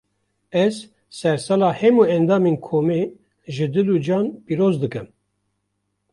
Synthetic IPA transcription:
ɛz | sɛɾsɛlɑːhɛmuːɛnd̪ɑːmeːnkʰoːmeː | ʒɨd̪ɨluːd͡ʒɑːnpiːɾoːzd̪ɨkɨm

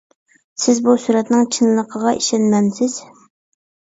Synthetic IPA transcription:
sɪzbusuɾɛt̪nɪŋt͡ʃʰɨnlˠəqʰəʁɑʔiʃɛnmɛnsɪz̥

